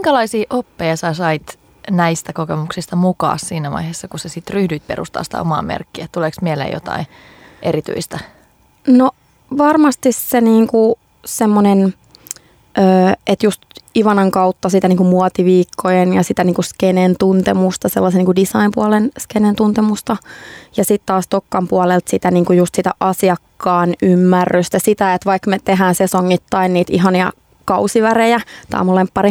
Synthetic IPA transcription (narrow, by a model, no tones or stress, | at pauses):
iŋkælɑisiːʔopːejɑsɑsɑit̪ | næist̪ækokemuksist̪ɑmukɑ̰ːssiːnæʋɑ̰iheːsːɑkusesit̪ryhdyit̪̚perṵst̪ɑ̰ːsi̥t̪æ̰o̰mɑ̰ːmḛrkːiæt̪uleksmielḛːjo̰t̪ɑ̰i | ʔeɾit̪y̰ist̪æ | no | ʋɑrmɑst̪isseniːŋku | semːonen | øːʔet̪just̪iʋɑnɑŋkɑut̪ːɑsit̪æniːŋkumuɑt̪iʋiːkːojenjɑsit̪æniːŋkuskenent̪unt̪emust̪ɑselːɑseniːŋkudisɑimpuɑlenskenent̪unt̪emust̪ɑjɑsit̪t̪ɑːst̪okːɑmpuɑlelt̪sit̪æniːŋkujust̪sit̪æ̰ʔɑsiɑkːɑːnymːærːyst̪æsit̪æet̪ʋɑikmet̪eɦæːnsesoŋːit̪ːɑinniːt̪iɦɑniɑ̰ | kɑusiʋærejæt̪ɑ̰ːmulempːɑri